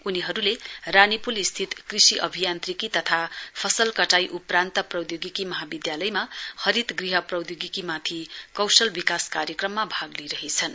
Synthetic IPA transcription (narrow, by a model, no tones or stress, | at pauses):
uniɦʌɾuleranipulist̪ʰit̪krisiʔʌ̰bʱijant̪rikit̪ʌt̪ʰapʰʌsʌlkʌʈajʔuprant̪ʌprʌwjoɡikimʌɦabid̪jalʌjmahʌɾit̪ɡriɦʌprʌwd̪joɡikimat̪ʰikʌwsʌlbikaskaɾjʌkrʌmːabʱaɡliɾʌɦet͡sʰʌn